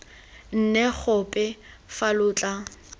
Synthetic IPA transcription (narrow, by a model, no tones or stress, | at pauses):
n̩nɛk͡xʰʊpʼɪ | falʊːt͡ɬʼa